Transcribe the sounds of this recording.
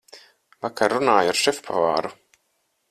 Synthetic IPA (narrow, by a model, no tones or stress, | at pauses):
vakʰaɾːunaːjaɾʃɛfpʰa̰vaːɾu